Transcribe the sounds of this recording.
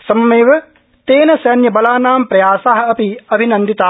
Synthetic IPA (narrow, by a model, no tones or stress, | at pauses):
sɐmɐmeːʋɐ | t̪eːnɐsɐnjɐbɐlaːnaːmpɾɐjaːsaːɦɐ̆ɐpiɐbʱinɐnd̪it̪aː